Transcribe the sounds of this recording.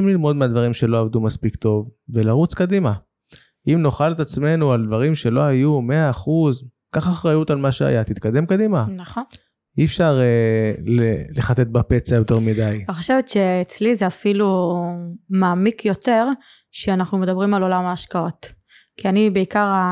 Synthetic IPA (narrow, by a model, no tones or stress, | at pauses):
imlilmo̞d̪mead̪vaʁimʃe̞lo̞avd̪umaspikt̪o̞vve̞laʁut͡skad̪ima | imno̞χalet̪at͡sme̞nuald̪vaʁimʃe̞lo̞ajumeaːχuz | kaχaχʁajut̪almaʃea̰jat̪it̪kad̪e̞mkad̪imanaχon | iɛfʃaʁeleleχat̪et̪̚bape̞t͡sajo̞t̪e̞ʁmidajaniχoʃevet̪ʃeːt͡slizeafilu | maːmikʰjo̞t̪e̞ʁ | ʃeanaχnume̞d̪abʁimalo̞lamaːʃkao̞t̪ | kianibeikaʁa